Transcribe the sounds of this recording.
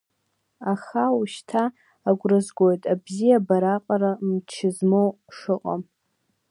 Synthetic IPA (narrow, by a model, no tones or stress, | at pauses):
aχawuʃtʰaː | ɡʷrɨzɡʷo̞jtʼabzijabaɾaqʼaɾamt͡ʃʰɪzmow | ʂɨqʼa̰m